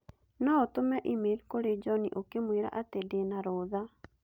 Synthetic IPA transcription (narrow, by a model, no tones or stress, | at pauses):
naɔtomɛʔimelkoɾed͡ʒɔnḭʔokemweɾa̰ʔatedenaɾoːða